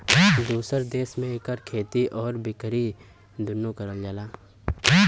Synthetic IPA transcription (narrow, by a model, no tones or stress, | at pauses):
d̪uːsəɾd̪eːsmẽkəɾkʰeːt̪iʔɔːɾbɪkɾi | d̪ʊnːukəɾəld͡ʒalaː